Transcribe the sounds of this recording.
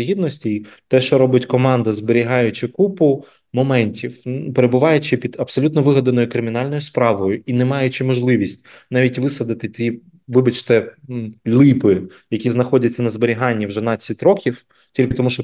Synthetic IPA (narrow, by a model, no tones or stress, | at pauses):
ɦʲid̪nɔsʲtʲijt̪ɛʃt͡ʃɔɾɔbɪtʲkɔmɑnd̪ɐzbeɾʲiɦɑjʊt͡ʃɪkupʊ | mɔmɛnʲtʲiwpeɾebʊʋɑjʊt͡ʃɪpʲid̪̥ɐpsɔlʲut̪nɔʋɪɦɐd̪ɐnɔjʊkɾɪmʲɪnɑlʲnɔjʊspɾɑʋɔjʊinɛmɑjʊt͡ʃɪmɔʒlˠɪʋʲisʲtʲnɑʋʲitʲʋɪsɐd̪ɪt̪ɪt̪ʲi | ʋɪbɐt͡ʃt̪ɛ | lʲˠipɪ | jɐkʲiznɐxɔdʲɐt͡sʲːɐnɐzbeɾʲiɦɑnʲːiwʒɛnɑt͡sʲːɐtʲrɔkʲiw | tʲilʲkɪt̪ɔmuʃt͡ʃɔ